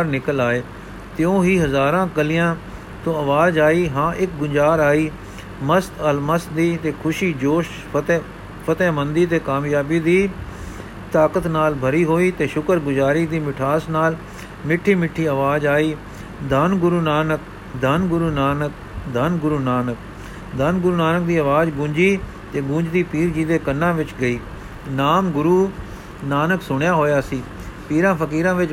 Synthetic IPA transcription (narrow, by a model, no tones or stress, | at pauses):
ɾnɪkəlaːeː | t̪ɪõːɦiːɦəzaːɾãːkəlɪjãː | t̪õːəʋaːd͡ʒaːiːɦãːʔɪk̚ɡʊɲd͡ʒaːɾaːiː | məst̪əlməst̪d̪iːt̪eːkʰʊʃiːd͡ʒoːʃ | t̪ː | pʰət̪ɛːmənd̪iːt̪eːkaːmjaːbiːd̪iː | t̪aːkət̪naːlbʱəɾiːɦoːiːt̪eːʃʊkəɾɡʊd͡ʒaːɾiːd̪iːmɪʈʰaːsnaːl | mɪʈʰːiːmɪʈʰːiːəʋaːd͡ʒaːiː | d̪ənɡʊɾuːnaːnək̚ | d̪ənɡʊɾuːnaːnək | d̪ənɡʊɾuːnaːnək̚ | d̪ənɡʊɾuːnaːnək̚d̪iːəʋaːd͡ʒɡũːɲd͡ʒiː | t̪eːɡũːd͡ʒd̪iːpiːɾd͡ʒiːd̪eːkənːãːʋɪt͡ʃɡəiː | naːmɡʊɾuː | naːnəksʊɽ̃jaːɦoːjaːsiː | piːɾãːpʰəkiːɾãːʋɪt͡ʃ